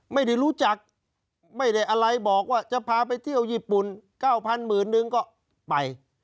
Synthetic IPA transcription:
ma˥˩jda˧˩jɾuː˦˥t͡ɕa˨˩k̚ | ma˥˩jda˥˩jʔa˧ɾa˧jbɔː˨˩k̚waː˥˩t͡ɕa˨˩pʰaː˧pa˧jt̪ʰi˥˩əwjiː˥˩pu˨˩nkaː˥˩wpʰa˧nmɯː˨˩nːɯ˧ŋkɔː˥˩ | pa˨˧j

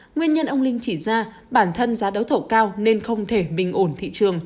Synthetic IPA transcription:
ŋwi˧ənɲə˧nʔə˧wŋ͡mlï˧ŋ̟t͡ɕi˧˩zaː˧ | ɓaː˧˩nt̪ʰə˧nzaː˨˦ɗə˨˦wt̪ʰə˧˩wkaː˧wne˧nxə˧wŋ͡mt̪ʰe˧˩ɓï˨˩ŋ̟ʔo˧˩nt̪ʰḭ˧˨t͡ɕɨ˨˩əŋ

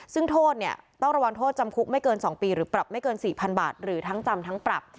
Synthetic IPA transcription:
sɯ˥˩ŋt̪ʰoː˥˩t̪̚ni˥˩ɐt̪ɔ˥˩ŋɾa˧wa˧ŋt̪ʰoː˥˩t̪̚t͡ɕa˧mkʰu˦˥k̚ma˥˩jkɤː˧nsɔː˩˦ŋpiː˧ɾɯː˩˦pɾa˨˩p̚ma˥˩jkɤː˧nsiː˨˩pʰa˧nba̰ː˨˩t̪̚ɾɯː˩˦t̪ʰa˦˥ŋt͡ɕa˧mt̪ʰa˦˥ŋpɾa̰˨˩p̚

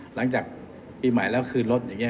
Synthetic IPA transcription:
la˩˦ŋt͡ɕaː˨˩k̚ | piː˧ma˨˩˦jlɛː˦˥wkʰɯː˧nlo˦˥t̪̚jaː˨˩ŋːi˦˥

